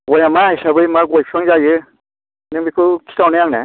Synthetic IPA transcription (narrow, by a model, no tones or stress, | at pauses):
ɡɔjamaajsabɯjmaɡɔjpʰɾɔŋzajɯ | nɯmikʰɯkʰi̥tʰawnajaŋne